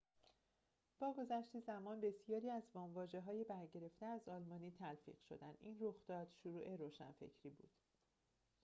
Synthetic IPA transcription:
b̥ɒːɡo̞zæʃt̪iːzæmɒːnbe̞sijɒːɾiːæzvɒːmvɒːd͡ʒe̞ɦɒːjebæɾɟe̞ɾe̞ft̪eæzɒːlmɒːniːt̪ʰælfḭːɢ̥ʃo̞̰d̪ænd̪inroxd̪ɒːd̪̥ʃuɾuːʔe̞ɾoːʃæ̰nfe̞̰cʰɾiːbṵːd̪̥

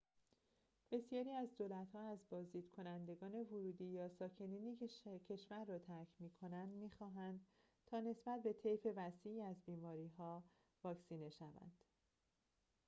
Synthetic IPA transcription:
b̥e̞sjɒːɾiːæzd̪olæt̪hɒːæzbɒːzd̪iːd̪̥̚kʰo̞nænd̪e̞ɡɒːne̞voɾuːd̪iːjɒːsɒːcʰe̞niːniːecʰe̞ʃvæɾːɒːt̪ʰæɾcʰmiːkʰo̞nænd̪miːxɒːɦænd̪̥ | t̪ʰɒːne̞sbæt̪̚be̞t̪ʰe̞jfe̞væsiːiːæzbiːmɒːɾiːɦɒː | vɒːcsiːne̞ʃævæ̰nd̪̥

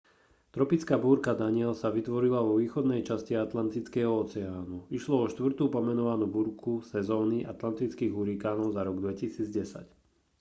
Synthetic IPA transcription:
t̪ɾɔpit͡skaːbuːɾkad̪aɲɪɛlsaʋit̪ʋɔɾilaʋɔʋiːxɔd̪nɛjt͡ʃasciat̪lant̪it͡skɛːɦɔɔt͡sɛaːnuiʃlɔɔʃt̪ʋr̩t̪uːpɔmɛnɔʋanuːbuɾkʰusɛzɔːniʔa̰t̪lant̪it͡skiːɣuɾikaːnɔʊzaɾɔɡd̪ʋɛcisiːd͡zɟɛsa̰c

